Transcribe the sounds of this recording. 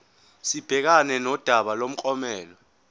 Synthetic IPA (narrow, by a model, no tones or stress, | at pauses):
sib̥ʱɛk̬anɛnɔd̥ʱaɓalom̩kʼɔmɛːlɔ